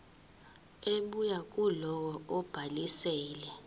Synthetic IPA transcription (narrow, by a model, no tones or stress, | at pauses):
eɓujakʼulɔwɔɔb̥ʱalisɛːlɛ